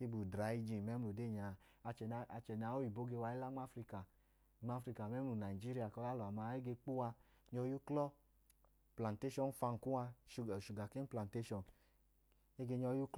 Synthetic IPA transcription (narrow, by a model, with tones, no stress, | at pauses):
ke˦bu˨dɾa˨˦i˧d͡ʒi˨n˨mɛ˦m˦lu˨de˦˨ɲa˨ | a˧t͡ʃɛ˨n˦a˧t͡ʃɛ˨n˨a˨˦o˦i˨bo˨˦ɡe˧wa˧˦i˦la˦ŋ͡ma˦fɾi˧ka˨ | ŋ͡ma˦fɾi˧ka˨mɛ˦mlu˨na˨i˨d͡ʒi˦ɾi˦a˨kɔ˧da˦lɔ˨a˨ma˧˦e˦ɡe˧k͡pu˦wa˧ | ɲɔ˧˦ju˦klɔ˦ | pla˨nte˦ʃɔ˨n˦fa˧n˨ku˦a˧ʃu˨ʃu˨ɡa˨ke˦pla˨nte˦ʃɔ˨n | e˦ɡe˧ɲɔ˧˦ju˦k